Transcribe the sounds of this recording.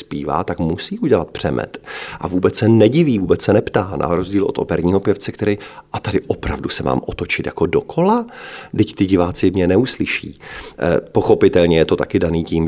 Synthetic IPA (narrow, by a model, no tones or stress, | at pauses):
spiːva̰ːt̪akmusiːʔuɟɛlat̪̚pr̝̥ɛmʔɛ̰t̪ʔavuːbɛt͡ssɛnɛɟɪviːvuːbɛt͡ssɛnɛpt̪aːnʔa̰ɾo̞zɟiːlo̞t̪o̰pɛɾɲiːɦo̞pjɛft͡sɛkt̪ɛɾiʔat̪adɪʔopɾa̰vdusɛma̰ːmʔot̪o̞t͡ʃɪt̪ja̰ko̞do̞kʰo̞ladɪct̪ɪɟɪvaːt͡sɪmɲɛnɛuslɪʃḭː | po̞xo̞pɪt̪ɛlɲɛjɛt̪o̞t̪akɪdaniːciːm